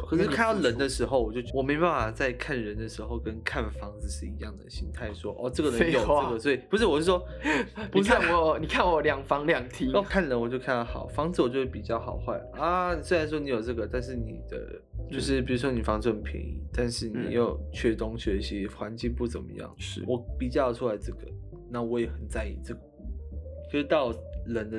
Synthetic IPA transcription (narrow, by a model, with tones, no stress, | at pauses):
kʰɤ˨˩ʂɻ̩˥˩kʰa˥˧nd̪ɑ˥˩ʊlə˧˥nd̪ə˨ʂɻ̩˧˥xo˧ʊwɔ˨˩t͡ɕjo˥˧ʊwɔ˨˩me˧˥ɪpa˥˩nfɑa˨˩t͡sa˥˧ɪkʰa˥˩nɻə˧˦nd̪ə˨ʂɻ̩˧˥xo˥˧ʊkə˦nkʰa˥˩nfɑ˥ŋd͡zɹ̩˨ʂɻ̩˥˩i˧˥jɑ˥˩ŋd̪ə̰˩ɕi˥nt̪ʰa˥˩ɪʂwɔ˦˥ʔɔ˥˧ʈ͡ʂɤ˥˩ɡə˩lə˧˥jo˨ʊɤ˥˧˩ɡə˨swɔ˧˥i˨˩pu˧˥ʂɻ̩˥˩wɔ˨˩ɻ̩˥˩ʂwɔ˥ | pu˧˥ʂ̩˥˩wɔ˨˩ni˨˩kʰa˥˩nwɔ˨˩ljɑ˨˩ŋfɑ˥ŋljɑ˨˩ŋt̪ʰi˧˥ɔ˥˩kʰa˥˩nlə˧˦nwɔ˨˩t͡ɕjo˥˧ʊkʰa˥˩˧nɑ˥˩xɑ̰˨˩˦ʊfɑ˥ŋd͡zɹ̩˨wɔ˨˩t͡ɕjo˥˧ʊʂ̩˥˩p̚i˨˩t͡ɕjɑ˥˩ʊxɑ˨˩ʊxwa˥˩ɪa˧˨˩swe˥a˧˥nʂ̬swɔ˥ni˧˥jo˨˩ʊʈ͡ʂɤ˥˩ɡə˩t̪a˥˧nʂɻ̩˥˩nḭ˨˩d̪̥ə̰˦ | t͡ɕo˥˧ʊʂ̬ɻ̩˥˩p̬i˨˩ɻu˦˥ʂwɔ˥ni˨˩fɑ˧˥ŋt͡s̩˥˩ə˨˩npʰḭ˧˥˩t̪a˥˧nʂɻ̩˥˩nḭ˨˩jo˥˩ʊt͡ɕʰɥɛ˥˧t̪ʊ˥ŋɕɥɛ˧˥˦ɕi˧˦xwa˧˦nt͡ɕi˥˧ŋpu˥˩t͡sə̰˨˩nmə̰˦jɑ̰˥˩ŋʂ̩˥˩wɔ˨˩pi˨˩t͡ɕɑ˥˩jʈ͡ʂʰu˥la˧˥ɪʈ͡ʂɤ˥˩ɡ̥ə̰˩ | na˥˩wɔ˧˦˥jɛ˨˩xə˨˩nt͡sa˥˧ɪḭ˨˩t͡sɤ˥˩ɡə˩ | t͡ɕo˧˥ʂ̩˥˧t̪ɑ˥˩ʊlə˧˦nd̪ə˧